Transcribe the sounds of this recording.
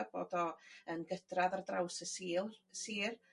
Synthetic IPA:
b̥o̰ːdɔənɡəd̥raðardrawsəsiːlˠsiːr

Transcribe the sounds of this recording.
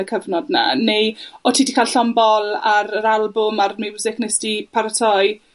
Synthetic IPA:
əkʰəvnɔdna̰nejɔtʰiːdikʰalɬɔmbɔlaɾəɾalˠbʊmarmɪwzɛknɛstipʰaɾətʰɔj

